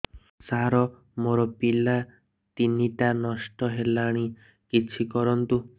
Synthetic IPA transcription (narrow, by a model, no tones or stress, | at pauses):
saɾɔ | moɾɔpila | t̪iniʈanɔʃʈɔɦelaɽ̃i | kit͡ʃʰikɔɾɔnt̪u